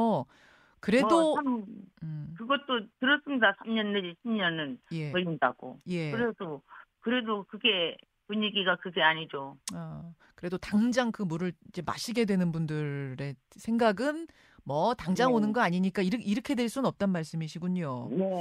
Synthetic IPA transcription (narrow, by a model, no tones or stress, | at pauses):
kɯɾe̞doam | kɯɡʌt͈̚otɯɾʌs͈ɯmɲidasʰamɲʌnːeiɕʰimɲʌnɯnje̞ʌʎːinda̰ɡ̥o̰je̞kɯɾe̞sʰʌkɯɾe̞dokɯɡe̞ | puɲiɡiɡakɯɡe̞aɲid͡ʑoʌ | kɯɾe̞dotaŋd͡ʑaŋkɯmuɾɯɭid͡ʑe̞ma̰ɕʰiɡe̞dwe̞nɯnbundɯɾɾe̞ | sʰe̞ŋɡaɡɯn | mʌtaŋd͡ʑaŋonɯnɡʌaɲiɲik͈aiɾʔiɾɯkʰe̞dweɭs͈unɯnʌp̚t͈anmaɭs͈ɯmiɕʰiɡuɲoje